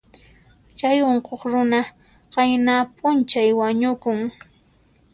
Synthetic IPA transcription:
t͡ʃajoɴqoχɾʊna | qɑjnaːpʼʊnt͡ʃajwaɲʊkʊŋ

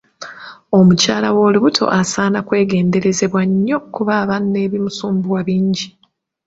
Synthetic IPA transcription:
o̞mucaːlawo̞ːliβutʰo̞̰ʔasaːnakwe̞ːɡe̞ːnde̞ɾe̞ze̞βwaɲːo̞kuβaːβanːe̞ːβimusuːmbuwaβiːɲɟi

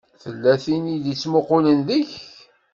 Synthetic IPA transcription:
θəlːæθiniðit͡sːmʊqʊlənðəç

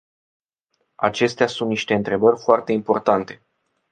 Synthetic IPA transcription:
a̰t͡ʃe̞st̪easunt̪niʃt̪e̞ɨnt̪ɾe̞bərʲfoart̪e̞impo̞rt̪ant̪e̞̥

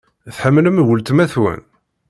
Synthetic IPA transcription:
θħəmːləmwəlt̪mæθwæ̰n

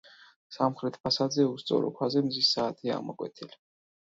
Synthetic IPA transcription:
samχɾɛt̪ʰpʰasad̪zɛust̪sʼɔ̰ɾɔ̰kʰwazɛmzisːaːt̪ʰia̰mɔkʼwɛ̰t̪ʰili

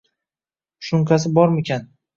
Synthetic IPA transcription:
ʃʊŋkʰas̬ɪbɒɾmɪkʲʰan

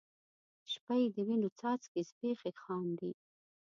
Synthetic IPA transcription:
ʃpajd̪əwinot͡sɑːt͡skispeːxexɑːmd̪i

